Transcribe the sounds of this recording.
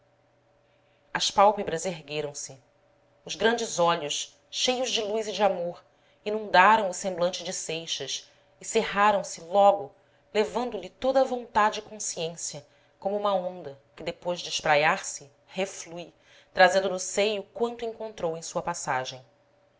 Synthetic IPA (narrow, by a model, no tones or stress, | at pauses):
ɐspawpebɾɐzeɦɡeɾɐ̃w̃sɪ | ʊzɡɾɐ̃nd͡ʒɪzɔʎʊʃ | ʃejʊʒd͡ʒɪlujzid͡ʒɪamoɾ | inũnd̪aɾɐ̃w̃ʊsẽmblɐ̃nt͡ʃɪd͡ʒɪsejʃɐs | ɪseɦaɾɐ̃w̃sɪlɔɡʊ | levɐ̃nd̪ʊlɪt̪od̪ɐvõnt̪ad͡ʒɪːkõsiẽsjɐ | kõmʊũmɐõnd̪ɐ | kɪd̪epojʒd͡ʒɪɪʃpɾajaɾsɪ | hefluj | t̪ɾazẽnd̪ʊnʊsejʊkwɐ̃nt̪ẽŋkõnt̪ɾowẽj̃suɐpasaʒẽj̃